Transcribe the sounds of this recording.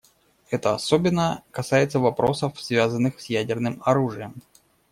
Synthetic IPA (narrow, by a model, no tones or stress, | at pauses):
ɛt̪əɐsobʲɪnːəkɐsajɪt̪səvɐpɾo̞səfsvʲazənːɨxsʲjædʲɪrnɨmɐɾuʐɨjəm